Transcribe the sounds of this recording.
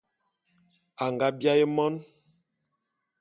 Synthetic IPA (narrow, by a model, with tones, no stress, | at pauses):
a˨ŋɡa˦bja˦je˦mɔ˦n